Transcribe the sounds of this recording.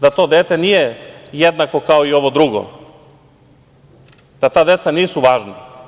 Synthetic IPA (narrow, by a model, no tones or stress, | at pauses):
d̪at̪o̞ːd̪eːt̪e̞nije̞jed̪nako̞kao̞io̞ʋo̞d̪ɾuɡo̰ | d̪̥at̪aːd̪e̞t̪saniːsuʋaːʒna